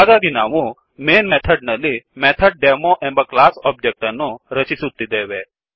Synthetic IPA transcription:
aɡaɡ̪inaʋũ | menmɛt̪ʰəɖnəlimɛt̪ʰəɖ̚ɖemoʔɛ̃mbaklasɔb̚d͡ʒek̚ʈanuɾət͡ɕisud̪ːid̪eʋe

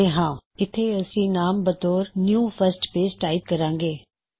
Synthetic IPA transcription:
eɦãːɪt̪ʰːeːəsĩːnaːmbət̪oːɾnjũːpʰəɾsʈpeːsʈaːɪp̚kəɾãːŋɡeː

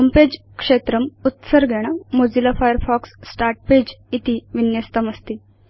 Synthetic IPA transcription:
komped͡ʑ | kʂet̪ɾəmut̪səɾɡʱeɽ̃amod͡zilafajəɾfɔksːʈaɾʈ̚ped͡ʑit̪iʋinjəst̪əməst̪iː

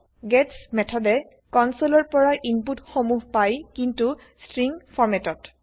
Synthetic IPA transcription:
ɡɛtsmɛtʰɔdɛ | kɔnsolɔɹpɔɹaʔinputxomuɦpajkintu | stɹiŋpʰɔɹmɛtɔt

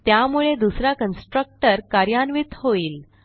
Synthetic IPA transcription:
t̪jamuɭed̪usɾakənsʈɾək̚ʈəɾkaɾjanʋit̪hoiːl

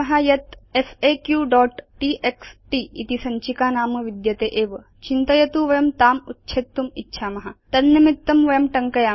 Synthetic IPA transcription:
ɐɦajɐt̪efekjuːɖɔːʈʈiʔeksʈiːḭt̪isɐɲt͡ʃikaːnaːmɐʋid̪jɐt̪eːʔeːʋ | t͡ʃint̪ɐjɐt̪uʋɐjɐmt̪aːmutːʃʰeːt̪ːumitːʃʰaːmɐɦat̪ɐnnɐmit̪ːɐmʋɐjɐmʈɐŋkɐjaː

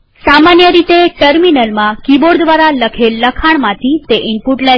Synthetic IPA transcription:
samanjəɾit̪eʈəɾminəlmãkiboɾd̪ʋaɾaləkʰelːəkʰaɳ̃mãt̪ʰit̪eʔɪmpuʈla

